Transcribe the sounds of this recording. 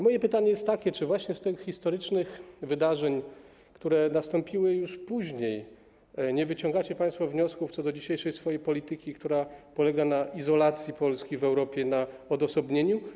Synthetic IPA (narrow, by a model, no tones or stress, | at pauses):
mɔjɛpɘt̪aɲɛjɛst̪ːakʲɛt͡ʂɘvwaɕɲɛst̪ɘxxist̪ɔɾɘt͡ʂnɘxvɘd̪aʐɛɲ | kt̪uɾɛnast̪ɔmpʲiwɘjuʂpuʑɲej | ɲɛvɘt͡ɕɔ̃ŋɡat͡ɕɛpaj̃st̪favɲɔskuft̪ɔd̪ɔd͡ʑiɕejʂɛjsfɔjejpɔlʲit̪ɘkʲikt̪uɾapɔlɛɡanaizɔlat̪sʲjipɔlskʲivɛwɾɔpʲjɛnaɔd̪ɔsɔbɲeɲu